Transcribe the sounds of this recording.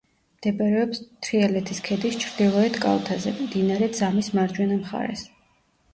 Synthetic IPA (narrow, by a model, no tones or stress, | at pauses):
md̪̥ɛbʼɛɾɛɔpst̪ʰɾiɛlɛt̪ʰiskʰɛd̪ist͡ʃʰɾd̪ilˠɔɛt̪ʰkʼa̰lt̪ʰazɛmd̪inaɾɛd̪z̥amismaɾd͡ʒwɛnamχa̰ɾɛ̰s